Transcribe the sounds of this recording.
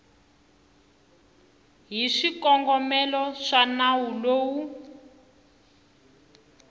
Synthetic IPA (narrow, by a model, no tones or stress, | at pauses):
ɦiʂikɔŋɡɔmɛlɔʂanawuloːwu